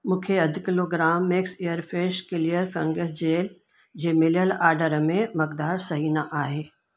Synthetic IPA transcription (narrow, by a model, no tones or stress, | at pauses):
mũːkʰeɐd̪kɪloːɡɾaːmːɪksijəɾfeːʃkɪlijəɾfɐ̃ŋɡəs̬d͡ʑeːl | d͡ʑeːmɪljəlaːɾɖəɾmẽmɐkd̪aːɾsɐɦiːnaʔaːɦeː